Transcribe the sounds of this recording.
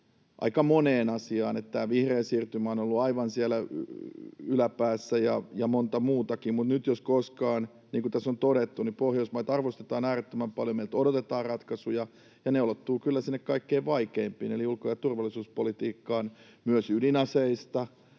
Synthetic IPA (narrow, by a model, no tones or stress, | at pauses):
ʔɑ̰ikɑmoneːnɑsiɑːnet̪t̪æːʋihreːnsiːrt̪ymæːonolːuɑiʋɑnsiælæ | ylæpæːsːæjɑjɑmont̪ɑmuːt̪ɑkimmut̪nyt̪joskoskɑːn | niːŋkut̪æsont̪oɾet̪ːunipohjoismɑiɑt̪ɑrʋost̪et̪ɑːnæːret̪ːømæmpɑljomeilt̪odot̪et̪ɑːrrɑt̪kɑsujɑ | jɑneulot̪ːuːkylːæsinːekkɑikːeiʋʋɑikeimpḭːneliulkojɑt̪urʋɑlːˑisuːspolit̪iːkːɑːn | myøsydinɑseist̪ɑ